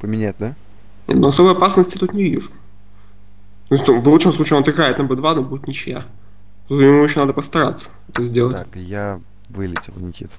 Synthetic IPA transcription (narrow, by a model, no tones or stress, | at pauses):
pəmʲɪnʲat̪̚ʲd̪a | nʲḛt̪noɐsobəjɐpasnəsʲtʲɪ̥t̪ut̪nʲɪvʲiʐʊ | t̪oɪsʲt̪ʲuvlˠut̪ʂəmslˠut͡ɕɪot̪ɨɡɾajɪt̪nɐbɛd̪vad̪obuɪt̪nʲɪt͡ɕɪja̰ | t̪ut̪mʲɪmuɪɕonad̪əpəst̪ɐɾat̪sːə̥ɛt̪əzʲdʲelˠət̪ʲkja | vɨlʲɪtʲɪlˠnʲɪkʲit̪